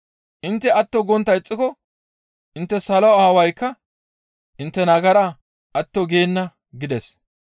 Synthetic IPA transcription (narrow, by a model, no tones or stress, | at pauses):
ʔɪnt̪ːɛɐt̪ːɔɡɔnt̪ːɐjɪt͡sʼːɪkɔ | ʔɪnt̪ːɛsɐlɔwɐːwɐjkːɐ | ʔɪnt̪ːɛnɐɡɐɾɐ | ʔɐt̪ːɔɡe̞ːnːɐ | ɡɪd̪ɛs